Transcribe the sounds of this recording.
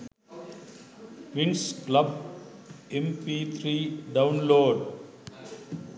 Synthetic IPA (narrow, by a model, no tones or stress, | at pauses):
ʋɪ̃ŋsklɐb | ẽmpiːt̪ʰɾiːɖãʊ̃nloːɖ